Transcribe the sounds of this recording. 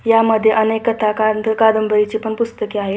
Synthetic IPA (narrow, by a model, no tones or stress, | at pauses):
jaməd̪ʱːjeʔənekkːət̪ʰakakad̪əmbʱəɾit͡ɕipəɳpust̪əkiaɦe